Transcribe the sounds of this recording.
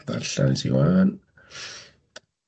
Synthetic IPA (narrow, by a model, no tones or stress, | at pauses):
ða̰ɬansḭwaːn